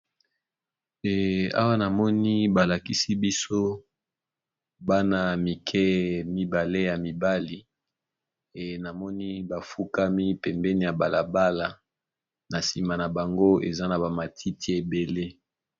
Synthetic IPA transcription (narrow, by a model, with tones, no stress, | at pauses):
a̰˦wa˦na˨mɔ˦ni˦ba˨la˨ki˦si˦bi˦so˦ | ba˦na˨mi˨kʰɛ˦mi˦ba˨le˦ja˨mi˨ba˦li˦ | e˨na˨mɔ˦ni˦ba˨fu˦ka˦mi˦pɛ˨mbɛ˦ni˦ja˨ba˨la˨ba˦la˨ | na˨si˨ma˨na˨ba˨ŋɡo˦ḛ˨za˦na˨ba˨ma˨tʰi˦ti˦e˨be˨le˦